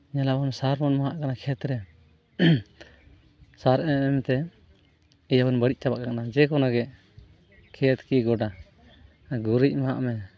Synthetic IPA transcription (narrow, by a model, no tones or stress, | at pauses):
ɲɛlabɔnsaɾmɔnmaɦaʔkanakʰɛt̪ɾɛ | saɾʔɛɛmɛt̪ɛ | ijabɔnbəɽic̚ˀt͡ʃabaʔkakanad͡ʒɛkɔnaɡɛ | kʰɛt̪kiɡɔɖa | ɡuɾic̚maɦa̰ʔmɛ